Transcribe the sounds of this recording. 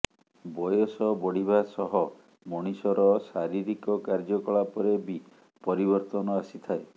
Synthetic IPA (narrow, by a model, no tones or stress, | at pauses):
bɔjɔsɔbɔɽ̤iβasɔɦɔ | mɔɽ̃isɔɾɔsaɾiɾikɔkaɾd͡ʒɔkɔɭapɔɾebi | pɔɾibɔɾt̪ɔnɔasit̪ʰae